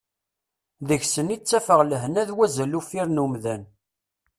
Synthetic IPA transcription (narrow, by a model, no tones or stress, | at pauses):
ðəçsənit͡sːæfəʁləɦənæðwæzəlufiɾnumðæn